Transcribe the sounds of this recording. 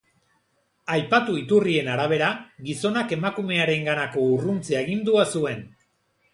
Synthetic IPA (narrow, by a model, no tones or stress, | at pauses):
ajpat̪uit̪urie̞naɾaβ̞e̞ɾaɡiso̞nake̞makume̞aɾe̞ŋɡanako̞urunt͡seeɣ̞ind̪uasue̞n